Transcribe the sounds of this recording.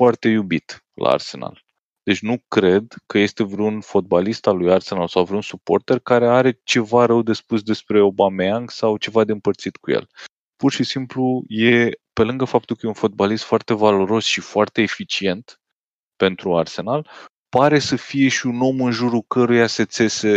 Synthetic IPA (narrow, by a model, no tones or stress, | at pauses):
foart̪e̞jubit̪ | lʔa̰ːrse̞̰na̰l | d̪e̞t͡ʃʲnukɾe̞d̪kəje̞st̪e̞vɾeunfo̞t̪̚balist̪alujarse̞nalsawvɾeunsupo̞̰rt̪e̞rkaɾe̞aɾe̞t͡ʃe̞vaɾəwd̪e̞spusd̪e̞spɾe̞o̞bameaŋɡsawt͡ʃe̞vad̪e̞ɨmpərt̪sit̪kujḛl | purʃisimpluje̞pe̞lɨŋɡəfap̚t̪ulkəjeunfo̞d̪̚balist̪foart̪e̞valo̞ɾo̞sʃifoart̪e̞ːfit͡ʃie̞nt̪ | pe̞nt̪ɾuarse̞nal | paɾe̞səfije̞ʃiuno̞mɨnʒuɾukəɾujase̞t̪se̞se̞